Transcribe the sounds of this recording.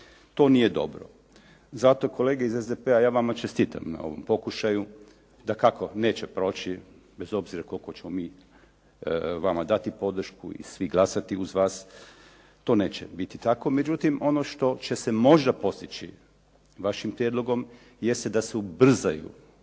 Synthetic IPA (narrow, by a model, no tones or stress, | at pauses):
t̪o̞ːnije̞d̪o̞̰bɾo̞̰ | zat̪oko̞le̞ːɡeizezd̪epeajaːʋamat͡ʃest̪iːt̪a̰mna̰o̞ʋo̞̰mpo̞kuʃaju | d̪akako̞ne̞ːt͡ɕepɾo̞ːt͡ɕi | be̞zo̞bziɾako̞lko̞t͡ɕe̞mo̞miː | ʋamad̪at̪ipo̞d̪r̩ʃkuḭsʋiɡlˠasat̪iuzʋaːs | t̪o̞ːne̞ːt͡ɕebit̪it̪ako̞me̞d͡ʒut̪imo̞no̞ʃt̪o̞t͡ʃe̞se̞mo̞ʒd̪apo̞st̪it͡ɕḭ | ʋaʃimpɾje̞d̪lˠo̞ɡo̞m | je̞st̪ed̪aseubr̩zajṵ